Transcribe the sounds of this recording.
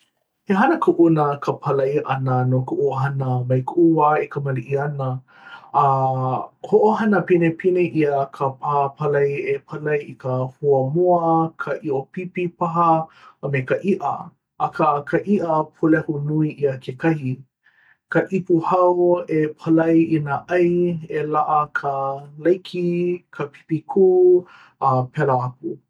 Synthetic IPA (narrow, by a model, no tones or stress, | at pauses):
heɦɐnəkʰuʔunəkʰəpʰɐlɐjʔɐnənokəʔuəɦɐnəmɐjkəʔuaekəmɐliʔiɐnəː | hoʔoɦɐnəpinepʰineʔiəkʰəpʰaːpʰɐlɐjepʰɐlɐjikəhuəmuəkʰəʔiʔopipipɐɦɐmekɐʔiʔɐ̰ | ɐkʰɐkʰɐʔiʔəpʰolɛhunuiʔiɐkʰekʰɐhi | kɐʔipuhɐwepʰɐlɐjinaʔɐjelaʔɐkʰəlɐjkʰikʰɐpʰi̥pikʰuː | ɐpʰɛlɐɐpu